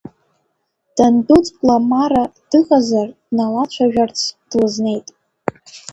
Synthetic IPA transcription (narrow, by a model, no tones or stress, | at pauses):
d̥andut͡sʼpʼlamaɾad̥ɨχʼazard̥nalat͡ɕʷʰaʒᶣart͡sʰd̥lɨzne̞jtʼ